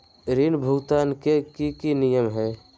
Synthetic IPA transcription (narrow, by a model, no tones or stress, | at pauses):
ɾinbʱʊɡt̪aːnkekikinijəmɦɛː